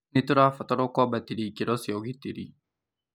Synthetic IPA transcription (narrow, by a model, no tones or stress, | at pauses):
nit̪uɾafatɔɾokɔbat̪iɾikiɾɔsioɣit̪iɾi